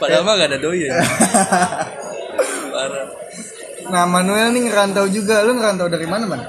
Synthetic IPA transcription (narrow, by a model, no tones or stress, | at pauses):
padamaɡadadoja | baɾa | namanuɛlnɪŋəɾant̪awd͡ʒuɡalʊŋəɾant̪awdaɾimanaman